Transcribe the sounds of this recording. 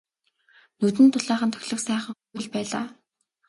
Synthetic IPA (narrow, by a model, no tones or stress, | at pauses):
nɵt̪̬ɘ̆nt̪ʰʊɮæːχə̆nt̪ʰœ̥xʲɮɵ̆ksæːχə̆ŋxuwɘ̆ɮpæːɮa̰ː